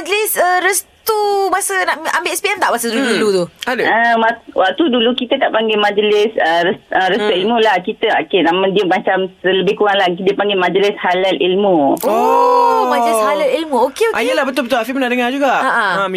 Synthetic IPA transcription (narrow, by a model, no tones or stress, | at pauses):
ad͡ʒəlɪsəɾəst̪umasənaʔmambeʔɛspiɛmt̪aʔbasəd̪uludulut̪uadəwawaʔ̚t̪udulukit̪ət̪aʔpaŋɡemãd͡ʒəlɪsəɾəsəɾəst̪uilmulahkit̪əakenamãdiəmat͡ʃamsələbɪhkuɣaŋlakidəpaŋɡemad͡ʒəlɪshalalʔilmuo | mad͡ʒlɪshalalilmũokeoajəlahbət̪ʊlbət̪ʊlafimənaʔdəŋad͡ʒuɡaʔaʔaam